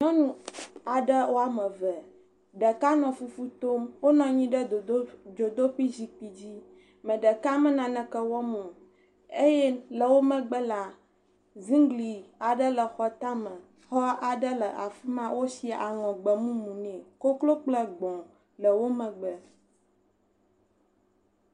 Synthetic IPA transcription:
ɲɔ̃˦nũ˦a˨ɖə˦wʔo˦a˨mə̃˨və˨ | ɖə˨ka˦nɔ̃˨fu˦fu˦t̪o˦mwo˦nɔ̃˦ɲĩ˦ɖə˦˨˦d͡ʒo˨d̪o˦ɸi˦zi˨k͡pi˨d͡ʑi˦ | mə̃˨ɖə˨ka˦mə̃˦nã˨nə̃˨kə˦wɔ˦mũ˨ | e˦jɛ˦lə˨wo˦mə̃˨ɡ͡bə˦la˨ | zĩ˦ŋɡli˨a˨ɖə˦lə˨xɔ˨t̪ã˦mə̃˨ | xɔ˦a˨ɖə˦lə˨ʔa˨fi˦mã˦wo˦si˨a˨ʔa˨ŋɔ̃˨ɡ͡bə˨mũ˦mũ˨nɛ̃˨ko˦klo˦k͡plə˦ɡ͡bɔ̃˨ | lə˨wo˦mə̃˨ɡ͡bə˨

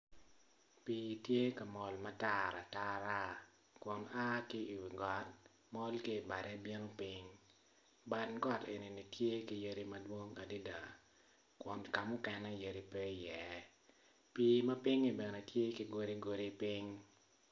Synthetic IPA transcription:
piː˨tje˦kɐ˨mɔ˨lmɐ˦ta˦˨ɾa˨ta˦ɾa˦ | kwɔ˨na˦ki˦i˨wi˨ɡɔ˨t̚ | mɔ˦lki˦˨ba˨ɾɛ˦bje˦no˦pɪ˦ŋ | ba˨nɡɔ˦te˨ni˨ni˨tje˦ki˨je˦ɾi˦mɐ˦dwo˦ŋa˨di˦da˨ | kwɔ˨nka˨mʊ˦kɛ˨nɛ˦je˨ɾi˦pɛ˦jɛ˨ | piː˨˦mɐ˦pɪ˦ŋi˦˨bɛ˨nɛ˨tje˦ki˦ɡo˦ɾi˦ɡo˨ɾi˦pi˦ŋ

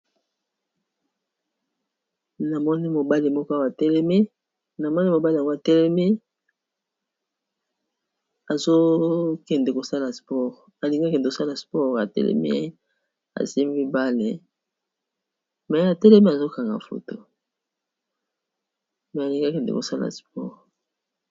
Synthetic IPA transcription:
na˨mɔ˦ni˦mo˨ba˦li˨mɔ˦kɔ˦a˦wa˨tɛ˦lɛ˦mi˦ | na˨mɔ˦ni˦mo˨ba˦li˨a˨ŋɡo˦a˨tɛ˦lɛ˦mi˦ | a˨zo˦kɛ˨nde˨ko˨sa˦la˨spɔ˦ʁ | a˨li˨ŋɡa˦kɛ˨ndko˨sa˦la˨spɔ˦˨ʁa̰˨tɛ̰˦lɛ̰˦mḭ˦a̰˦ | a̰˨zi˦mbi˦ba˦le˨ | mɛ˨˦a˨tɛ˦lɛ˦mi˦a˨zo˦ka˨ŋɡa̰˨fo̰˨to˨ | mɛ˨a˨li˨ŋɡa˦kɛ˨ndɛ̰˨ko̰˨sa˦la̰˨spɔ̰˦ʁ

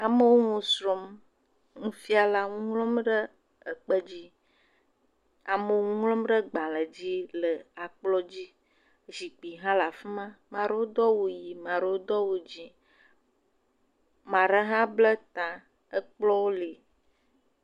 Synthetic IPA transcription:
a˨mə˦wo˦ŋũ˨sɾɔ˨m | ŋũ˦fi˦a˨la˦ŋũ˦ŋlɔ˦mɖə˦ | ə˨k͡pə˦d͡ʑi˦ | a˨mə˨ŋũ˦ŋlɔ̃˦mɖə˦ɡ͡ba˨lə˨d͡ʑi˦lə˨a˨k͡plɔ˦d͡ʑi˦ | zi˨k͡pi˨ɦã˦la˨fi˦mã˦mã˨ɖə˦wo˦d̪ɔ˦wu˨ji˨mã˨ɖə˨wo˦d̪ɔ˦wu˨d͡ʑi˦ | mã˨ɖə˦ɦã˦blə˦t̪ã˨ | ə˦k͡plɔ˦wo˦li˨

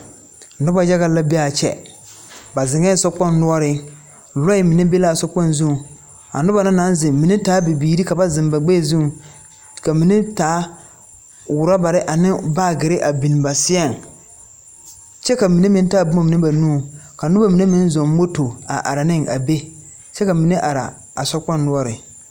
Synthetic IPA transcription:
nʊ˦ba˨ja˦ɣa˦la˦be˦a˨t͡ʃɛ̰˨ | ba˨zɪ˨ŋɛ˦sɔ˦k͡pɔ˦nː˦ʊ˦ɔ˦ɾɪ˦ | lɔ˦ɪ˦mi˨ne˦be˦la˦˨sɔ˦k͡pɔ˦nzũ˦˨ | a̰˨nʊ˦ba˨nɪ˦na˨˦nzɪ˨mi˨ne˦taː˨˦bi˨biː˨˦ɾi˦ka˨ba˦zɪ˨mba˨ɡ͡be˦˨zũ˦ŋ˨ | ka˨mi˨ne˦taː˨˦ | wʊ˨ɾa˦ba˨ɾɪ˦ʔa˨nɪ˦baː˦˨ɡɪ˨ɾɪ˦ʔa˨bi˨n˨ba˨sɪ˦a˦˨ŋ | t͡ʃɛ˦ka˨mi˨ne˦mɪ̃˨˦n˦ta˦˨bu˦a˨mi˨nɪ˦ba˨nũ˦˨ka˨nʊ˦ba˦mi˨ne˦mɪ˦n˦zɔ˨m˦mo˦to˨a̰˨ʔa̰˨ɾɪ˨nɪ˦ŋʔa̰˨be˦ | t͡ʃɛ˦ka˨mi˨ne˦ʔa˨ɾa̰˨ | a˨sɔ˦k͡pɔ˦nː˦ʊ˦ɔ˦ɾɪ̰˨

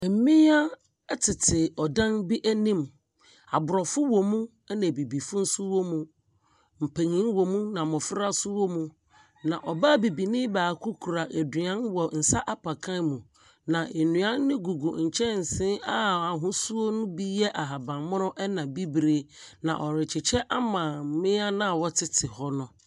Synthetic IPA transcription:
m̩˨˦mĩ˦a˦ | ɛ˦tʰɪ˨tʰɪ˨ɔ˨dã˦nbi˦ʔæ˦nĩ˦m | a̰˨bʊ˨ɾɔ˨fʊ˦wɔ˨mũ˦ | næ̃˨bi˨bi˨fʊ˦n̩˦sʊ˦wɔ˦mũ˦ | m̩˨pʰe˨ɲĩ˦nwɔ˨mũ˦nã˨mɔ̃˨fɪ˦ɾa˦sʊ˦wɔ˦mũ˨ | nã˨ʔɔ˨ba˦bi˨bi˨nɪ̃˦baː˨kʰu˦kʰu˨ɾa˨ʔɛ˨dɥã˦nwɔ˨n̩˨sa˦ʔa˦pʰa˨kʰã˦nmũ˨ | nã˨ʔe˨nũ˨ã˦nː˦ɪ̃˦ɡu˨ɡṵ˨ɲ̩˨t͡ɕʰɛ˦n̩˨sɪ̃˦a˦a˨ɦũ˦su˦o˦nʊ̃˦bi˦jɛ˦ʔa˨ɦa˨bã˨mʊ̃˦ɾʊ̃˦ʔɛ˦nã˨bi˦bɾe˨nã̰˨ʔɔ˨ɾɪ˨t͡ɕʰɪ˨t͡ɕʰɛ˦ʔa˦mã˨˦mɪ̃˦a˦nã˦˨wɔ˦tʰɪ˦tʰɪ˨hɔ˦nʊ̃˨

